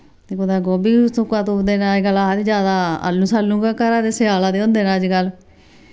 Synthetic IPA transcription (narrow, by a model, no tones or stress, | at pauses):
t̪eːkod̪aːɡoːbiːsʊkːãːt̪õːnd̪eːnaːd͡ʒɡəlaːɾid͡ʒjaːd̪aːə̰lːũːsaːlːũːɡaːkəɾãːd̪eːsɪaːlaːd̪eːʊ̃nd̪eːnaːəd͡ʒɡəl